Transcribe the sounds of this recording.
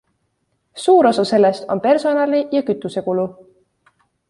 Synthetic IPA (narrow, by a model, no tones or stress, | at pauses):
suːɾo̞suse̞lːe̞st̪ʰo̞̰npe̞rso̞nɑlijɑkyt̪ːˑuse̞kulu